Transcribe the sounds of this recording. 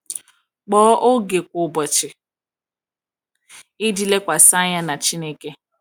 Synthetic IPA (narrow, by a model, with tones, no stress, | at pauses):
k͡pɔː˦ʔo˦ɡe˨kʷʊ˨bɔ˨t͡ʃɪ˨ | ɪ˦di˨le˦kʷa˨sa˦ɲa˦na˨t͡ʃi˦ne˦ke˦